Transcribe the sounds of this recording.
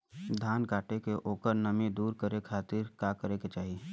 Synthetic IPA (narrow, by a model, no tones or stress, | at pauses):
d̪ʱaːnkaːʈekeʔoːkəɾnɐmid̪uːɾkəɾekʰaːt̪ɪɾkakəɾeket͡ʃaːɦi